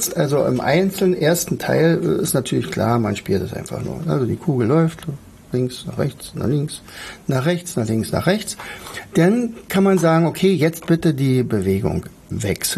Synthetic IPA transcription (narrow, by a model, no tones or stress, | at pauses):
t͡stʔalzoʔɪ̰mʔa̰ɪnt͡sl̩nʔeːɐstn̩tʰa̰ɪlɪstnatʰyːɐlɪçkʰl̥a̰ːɐmanʃpyːltɛsʔa̰ɪnfa̰χnṵːɐʔa̰lzodḭːkʰuːɡl̩lɔʏft | lɪŋksna̰ːχʁɛ̰çt͡sna̰ːχlɪŋksnaːχʁ̥ɛçt͡snaːχlɪŋsna̰ːχʁ̥ɛçt͡sd̥ankʰanmanzaːɡŋ̩okʰeːjɛt͡st̚b̥ɪtədiːbəveːɡʊ̰ŋ | vɛ̰ks̩